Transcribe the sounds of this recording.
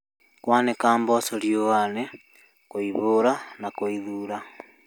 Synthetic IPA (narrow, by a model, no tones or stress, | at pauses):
kwaːnekaːmbɔsoɾjowane | koiβoɾanakoiðuɾa